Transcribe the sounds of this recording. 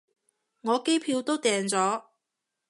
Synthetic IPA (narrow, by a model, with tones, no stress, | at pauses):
ŋɔː˨˧ke˥jpʰiː˧wt̪o˥wt̪ɛː˨ŋt͡sɔː˨˥